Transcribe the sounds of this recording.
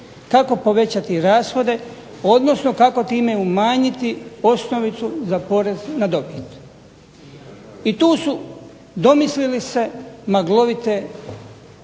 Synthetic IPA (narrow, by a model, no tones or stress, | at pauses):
kako̞po̞ʋe̞t͡ɕat̪iɾaːsxo̞d̪e̞ | o̞d̪no̞sno̞kako̞t̪iːme̞umaːɲit̪io̞sno̞ʋit̪suzapo̞ɾeznad̪o̞pit̪ | it̪uːsu | d̪o̞mislilise̞maɡlo̞ʋit̪e̞